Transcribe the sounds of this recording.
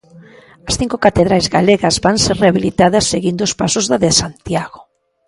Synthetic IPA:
ɐsθiŋkokat̪eðɾajzɣaleɣɐzbaŋseɾreaβilit̪aðɐsːeɣind̪oʊspasʊzðaðesant̪jaɣo

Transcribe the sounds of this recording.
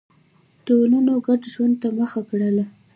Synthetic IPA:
d̪̥olunoɡaɖʒwand̪̚t̪aməxakɽəla

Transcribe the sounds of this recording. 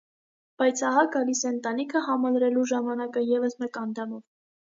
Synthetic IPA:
b̥ɑjt͡sʰɑɦɑɡɑlisɛənt̪ɑnikʰəɦɑmɑlɾɛluʒɑmɑnɑkəjɛvəsmɛkɑnd̪ɑmɔv

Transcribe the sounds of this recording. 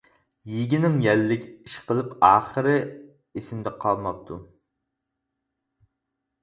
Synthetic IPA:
jiɡʲɪnɪŋjɛlːɪkʲiʃqʰəlˠɨpɑːχəɾɨ | esɪmd̪ɛqʰɑlˠmɑp̚t̪ʰu

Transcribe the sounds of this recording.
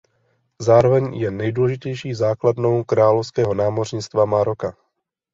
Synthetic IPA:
zaːɾovɛɲjɛnɛjduːlɛʒɪcɛjʃiːzaːkladno̞wkɾaːlofskɛːɦo̞naːmorɲɪt͡st̪vamaɾoka

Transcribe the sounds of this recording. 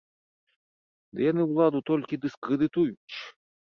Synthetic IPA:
d̪ɨjanɨwlˠad̪ut̪ɔlʲkʲid̪ɨskɾɨd̪ɨt̪ujut͡ɕʲ

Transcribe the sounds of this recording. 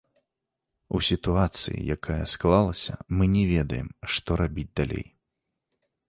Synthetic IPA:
usʲit̪uat̪sɨ̰jḭjakajɐsklˠalˠɐsʲɐmɨnʲɛvʲɛd̪ɐjɛmʂt̪ɔɾabʲid͡zʲd̪alʲḛj

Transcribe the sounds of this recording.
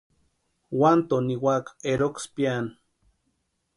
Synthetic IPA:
want̪oniwakeɾokspjan

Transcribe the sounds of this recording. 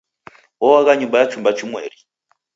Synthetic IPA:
ɔwaɣaɲumbajat͡ʃumbat͡ʃumwɛ̰ːɾi

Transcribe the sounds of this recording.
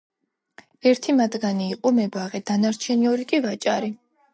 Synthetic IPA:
ɛɾt̪ʰimad̪ɡaniːqʼɔmɛɡwaʁɛd̪̥anaɾt͡ʃʰɛniɔɾikʼivat͡ʃʼaɾi

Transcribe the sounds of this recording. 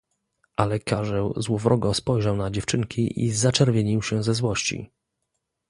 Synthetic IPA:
ʔalɛkʰaʐɛwzwɔvɾʔɔɡɔ̃spɔjʐawnad͡ʑɛft͡ʂɘŋkʲʰiʔḭzat͡ʂɛɾvʲjeɲiwɕɛzɛzwɔɕt͡ɕḭ

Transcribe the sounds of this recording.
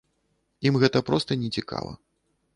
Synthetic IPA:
imɣɛt̪ɐpɾɔst̪ɐnʲɛt͡sʲika̰vɐ̰

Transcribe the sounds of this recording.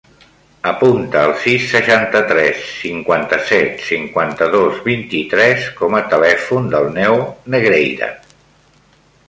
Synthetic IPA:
əpunt̪əːlˠsisːəʃant̪ət̪ɾɛsːiŋkwant̪əsɛt̪siŋkwant̪əðozβint̪it̪ɾɛskɔmət̪əlɛfund̪əlˠnɛwnəɣɾejðə̰

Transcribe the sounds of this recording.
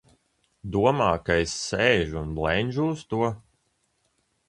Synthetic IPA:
d̪uɔmaːkajsːɛːʒunblɛnʲʒuːst̪uɔ

